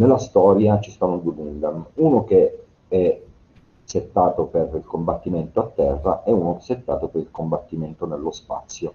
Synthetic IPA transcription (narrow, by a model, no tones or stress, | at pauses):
nelːast̪ɔːɾjat͡ʃist̪anːod̪uebund̪amunok̟e | ɛ | set̪ːaːt̪operilkombat̪ːiment̪oat̪ːɛrːa̰ʔɛunoset̪ːaːt̪opeɾilkombat̪ːiment̪onelːospa̰t̪sːjo